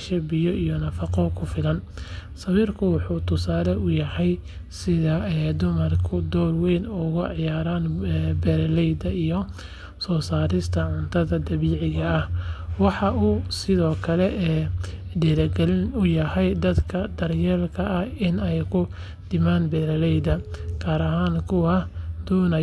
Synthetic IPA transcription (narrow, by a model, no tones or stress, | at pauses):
ʃɛbɪjɔʔijɔnɐfɑqɔkʰʊfɪlɐnsɐβiːrkʰʊwɑħuːt̪ʰʊsaːlɛʔʊjɐhɛj | sɪðɐɛːd̪ʊmɐrkʰʊd̪ɔːlwɛjnʊɣʊʕɪjaːɾaːnːbɛɾlɛjd̪ɐijɔ | sɔːsaːɾɪst̪ʰɐʕʊnt̪ʰɐðɐd̪ɐβiːʕɪɣɐːhwɑħɑʔuːsɪðɔːkʰɐlɛʔɛːdiɾɐɡɛlɪnʊjɐhɛjd̪ɐd̪kʰɐd̪̥ɐrjɛːlkʰɐʔɐhɪnɛjkʰʊ | d̪̥ɪmaːnbɛːɾɐlɛjd̪ɐkʰaːɾɐɦaːnkʰʊwɐd̪̥ɔːnɐ